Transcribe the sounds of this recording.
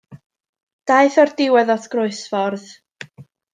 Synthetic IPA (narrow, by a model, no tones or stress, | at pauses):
d̥ajθɔrd̥ɪwɛðɔtʰɡ̥rʊɨsfɔrð